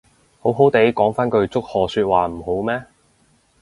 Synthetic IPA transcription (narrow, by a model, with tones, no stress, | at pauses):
ho˨˥wɦo˨˥wt̪e˨˥jkɔː˨˥ŋfaː˥nkɵ˧ɥt͡sʊ˥k̚hɔː˨˩syː˧t̚waː˨m̩˨˩ho˨˥wmɛː˥